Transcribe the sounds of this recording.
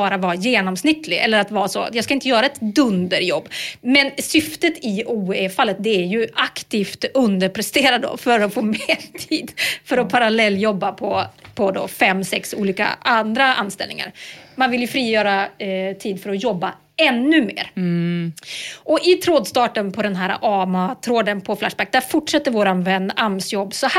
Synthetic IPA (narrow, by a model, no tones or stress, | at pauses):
bɑːɾavɑːjeːnɔmsnɪt̪ʰːlɪɛ̰lːəɾat̪vɑːasɔ̰jɑːɡskaɪnt̪əjœːɾaɛt̪d̪ɵnd̪əɾjɔ̰bːmɛnsʏft̪ət̪ɪʔuːefalːət̪̚d̪ɛæɾjɵʔakt̪iːft̪ɵnd̪əɾpʰɾɛst̪eːɾad̪o̰fœɾɔfoːmeːt̪ʰiːd̪fœɾɔpʰaɾalɛlːjɔbːapʰɔpʰɔd̪ɔ̰fɛmːsɛksṵːliːka̰and̪ɾaʔa̰nst̪ɛlnɪ̰ŋa̰ɾmanvɪljɵfɾiːjœːɾat̪ʰiːd̪fœɾɔjɔbːa | ɛnːɵmḛːɾ | ʔɔʔɪt̪ʰɾoːd̪st̪ɑːʈənpʰɔd̪ɛnɦæːɾa̰ʔɑːmat̪ʰɾoːd̪ənpʰɔflaʂbæk̚d̪æːɾfʊʈʂɛt̪ːəɾvoːɾanvɛnːamsjɔbːsɔh